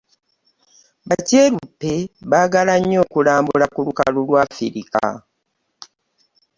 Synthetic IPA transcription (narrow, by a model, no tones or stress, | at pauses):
baceːlupːeβaɡalaɲːo̞ːkulaːmbulakuluka̰lulwaːfiɾika̰